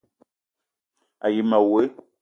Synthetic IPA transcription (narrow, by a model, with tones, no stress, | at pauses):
a˨ji˨ma˨we˨˦